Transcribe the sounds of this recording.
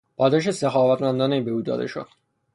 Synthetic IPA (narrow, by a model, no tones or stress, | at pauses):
bɒːd̪ɒʃ̬esexɒːvæt̪mænd̪ɒːnejbeuːd̪ɒ̰ːd̪e̞̰ʃo̰d̪̥